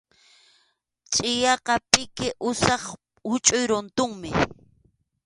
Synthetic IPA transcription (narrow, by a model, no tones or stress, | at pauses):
t͡ʃʼɪjɑqɑpɪkɪʔʊsɑχ | ʊt͡ʃʼʊjɾʊnt̪ʊŋmɪ